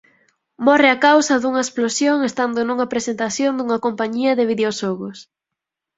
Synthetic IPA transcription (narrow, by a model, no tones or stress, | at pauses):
mɔreakawsɐðuŋɐesplosjoŋest̪and̪onuŋɐpɾesent̪aθjond̪uŋɐkompaɲiɐðɪβiðeoʃɔɣos